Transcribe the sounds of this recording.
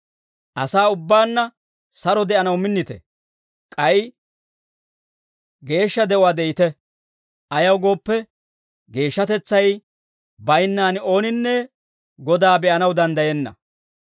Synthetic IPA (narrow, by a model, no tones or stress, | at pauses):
ʔɐsaːʊbːaːnːɐ | sɐɾɔd̪ɛʔɐnɐwmɪnːɪt̪ɛ̰ | kʼɐj | ɡe̞ːʃːɐd̪ɛʔʊaːd̪ɛjɪt̪ɛ | ʔɐjɐwɡo̞ːpːɛ | ɡe̞ːʃːɐt̪ɛt͡sːɐj | bɐjnːaːnɪo̞ːnɪnːɛ | ɡɔd̪aːbɛʔɐnɐwd̪ɐnd̪ɐjɛnːɐ̰